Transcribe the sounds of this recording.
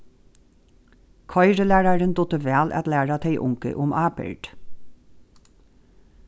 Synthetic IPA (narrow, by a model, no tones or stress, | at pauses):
kʰɑɪɾəlæːɹɑɹənd̪ɔt̪əʋæːlʔɑ̰t̪læːɹɑt̪ʰeɪʔʊŋkə̰ʔʊmɑːpə̰ɹɖ̥